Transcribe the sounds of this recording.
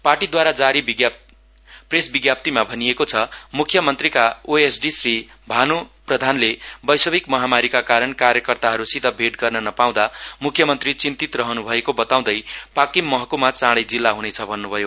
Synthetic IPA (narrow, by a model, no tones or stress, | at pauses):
parʈid̪waɾad͡zaɾibɡ | presbiɡjap̚t̪imabʱʌniekot͡sʰʌmukʰjʌmʌnt̪rikaoesɖisri | bʱanoprʌd̪ʱanlebʌjsʌbikmʌɦamaɾikakaɾʌnkaɾjʌkʌrt̪aɦʌɾusid̪ʱʌbʱeʈɡʌrnʌnʌpaw̃d̪amukʰːjʌmʌnt̪rit͡sint̪it̪rʌɦʌnubʱʌekobʌt̪aw̃d̪ʌjpakimːʌɦʌkumat͡sãɽʌjd͡zilːaɦunet͡sʰʌbʱʌnːubʱʌjo